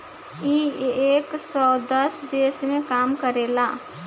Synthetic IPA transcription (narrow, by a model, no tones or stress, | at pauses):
ieːksɔːd̪əsd̪eːsmẽkaːmkəɾeːlaː